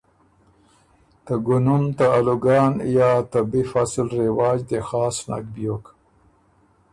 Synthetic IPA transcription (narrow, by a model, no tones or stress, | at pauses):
t̪əɡʊnumt̪aaluɡɑːnjɑːt̪əbifaslɾewɑːd͡ʒd̪exɑːsna̰kbjok